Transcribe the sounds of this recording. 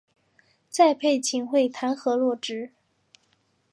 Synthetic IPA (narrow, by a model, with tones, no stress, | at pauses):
t͡sa˥˧ɪpʰe˥˩ɪt͡ɕʰi˧˥nxwe˥˩ɪt̪ʰa˧˥nxɤ˧˥lwɔ˥˩ʈ͡ʂɻ̩˧˥